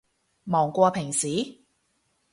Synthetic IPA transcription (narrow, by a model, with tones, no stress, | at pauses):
mɔː˨˩ŋkʷɔː˧pʰɪ˨˩ŋsiː˨˦